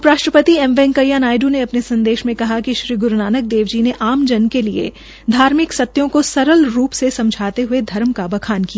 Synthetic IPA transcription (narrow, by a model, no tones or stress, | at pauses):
pɾaːʃʈɾəpət̪iɛmʋɛ̃ːŋkɐjaːnaːjɖuneɐpnesɐ̃nd̪eːʃmẽkɐɦakiʃɾiːɡʊɾnaːnək̚d̪eːʋd͡ʒineʔaːmd͡ʒɐnkeliḛ | d̪ʱaːɾmɪksɐt̪ːjõkosɐɾəlɾuːpsesɐ̃md͡ʒʱaːt̪eɦʊed̪ʱɐɾmkabɐkʰaːnkija